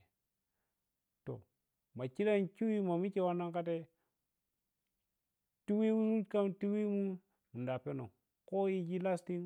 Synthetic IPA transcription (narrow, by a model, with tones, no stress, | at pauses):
to̰˨ | ma˨t͡ʃi˦ɾa˦nt͡ʃu˦wi˦ma˨mi˦ke˦wa˦na˦ŋka˦t̬e˦ | ti˦wi˦wu˦u˦ka˦mti˦wi˦mu˦ | mu˨nda˨pe˦no̰˨ | ko˦ji˦d͡ʒi˦la˦sti˦ŋ